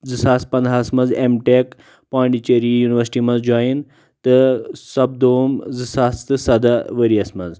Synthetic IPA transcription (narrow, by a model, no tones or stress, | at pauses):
zɨsaːspɐnd̪ʱasmɐnzemʈek | paːɳɖit͡ʃeɾijuːniʋəɾsi̥ʈimɐnzd͡ʒaːjin | t̪ɨsɐb̚d̪oːmzɨsaːst̪ɨsɐd̪aʋəɾiɐsmɐz